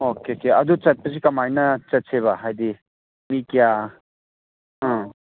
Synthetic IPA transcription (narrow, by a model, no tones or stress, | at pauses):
okeokeɐd̪ut͡sɐt̪̚pəs̬ikɐmajnɐt͡sɐtsʰeβaɦajd̪i | mikja | ɦã